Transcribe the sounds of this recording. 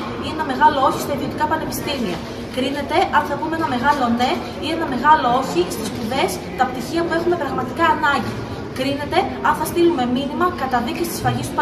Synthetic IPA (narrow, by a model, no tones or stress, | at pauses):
ienɐme̞ɣɐlooçist̪ɐiðio̞t̪ikɐpɐne̞pi̥st̪imiɐ̰ | kɾine̞t̪e̞ʔɐnθɐɣumeenɐme̞ɣɐlo̞ne̞ | ie̞nɐme̞ɣɐloo̞çist̪ispuðe̞s | t̪ɐpt̪içiɐmue̞xume̞pɾɐɣmɐt̪i̥kɐːnɐɲɟi | kɾine̞t̪e̞ɐnθɐst̪ilume̞minimɐkɐt̪ɐðicist̪i̥sfɐʝist̪upɐ